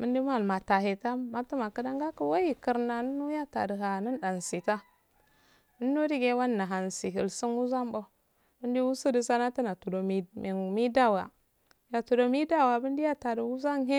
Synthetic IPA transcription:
mə˦ndi˦ma˦˨lma˨ta˨ɦe˨ta˦ma˦tə˦ma˨kə˦da˦ŋɡa˦kə˦wa˦ji˦˨kə˨ɾna˨nə˦nu˦ja˦ta̰˨də˨ɦa˨nə˦nɗa˨nsi˨ta˦ | mə˦nː˦o˦di˦ɡe˦wa˦nːa˨ɦa˨nsi˨ɦi˨lsə˦nwu˦za˦mbo˦ | mə˦ndi˦wu˦sə˦də˨sa˦na˦tə˦na˨tu˨do˨mi˨m˨mi˦da˦˨wa˨ | ja˨tu˨do˨mi˦da˦˨wa˨bi˦ndi˦ja˦ta˨də˨wu˦za˦nɦe˦

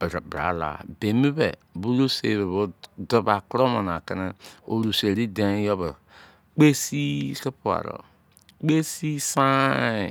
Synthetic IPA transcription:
bɾa˨ba̰˨la̰˨be˨mi˦bḛ˨bu˦lo˦sḛ˨βe˨βo˦do˦ba˨kɾo˦mo˨n˨a˨ke˦ne˦o˨ɾu˨se˨ɾi˦de˨˦jo˦be˨ | k͡pe˦si˦se˦pu˦˨a̰˨ɾo̰˨ | k͡pe˦si˦sã˦˨

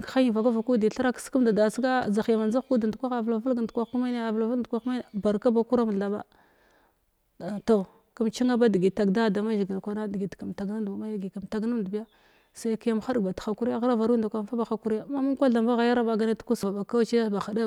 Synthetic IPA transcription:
kxa˦ji˨va˨ka˦va˨ku˦di˨ɬa˦ɾa˦kski˦mda˨da˨sɡa˦˨za˨xja˨ma˨nza˦xu˦da˨ndkʷa˦xa˨vla˨və˦ɡa˨ndkʷa˦u˦ma˦ne˦a˨vla˨vdkʷa˦ku˦ma˦n˨ba˨ɾka˦ba˨ku˦ɾa˦ma˨ɬa˨ba̰˦ | to˨ | ka˦mt͡ʃi˦ŋa˦ba˦di˨ɡi˨ta˨ɡda˦˨da˨ma˦ʒi˨ɡi˨lkʷa˨na˦di˨ɡi˨tka˨mta˨ɡna˦dma˦ja˦ɡi˨ka˨mta˨ɡna˦mdbi˦ja˦ | sa˨jki˦ja˦m˨xa˦ɗɡba˨txa˨ku˦ɾi˦ja˦ɣɾa˦va˨ɾnda˨kʷa˨˦fa˦ba˨xa˦ku˦ɾi˦ja˦˨ma˦mu˦ŋ˦kʷa˦ɮa˨mba˦ɣa˨ja˦ɾa˦ba˨ɡa˦ne˦tu̥˦ku˦sva˨ba˨ka˦t͡ʃi˦a˦˨ba˨xa˨da˦

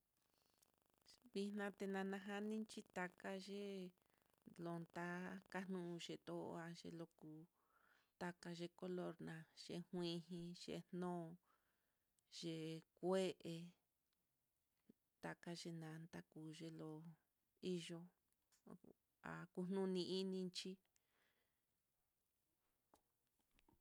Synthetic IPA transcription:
βi˧nã˧t̪e˧nã˧nã˧ɦa˦nĩ˦t͡ʃi˦t̪a˧ka˧ʒe˦ | lo˧nt̪a˦ka˦nũ˦˧ʒe˨t̪o̰˧a˧ʒḛ˧lo˧ku˧ | t̪a˧ka˧ʒe˧ko˦lo˧ɾnã˧ʒ̥ḛ˧hwĩ˧ɦĩ˧ʒḛ˧nnõː˦˧ | ʒ̥e˧˨kʷe˦ʔe˧ | t̪a˧ka˧ʒe˧nã˨˧nt̪a˦kuː˨ʒe˧lo˧ | i˦ʒo˧ | a̰˨ku˧n̥nũ˦˧nĩ˧ʔi˦nĩ˧nt͡ʃi˦

